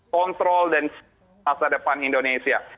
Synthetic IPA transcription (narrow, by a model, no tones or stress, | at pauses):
ɔnt̪ɾɔldans | asadəpanindonesia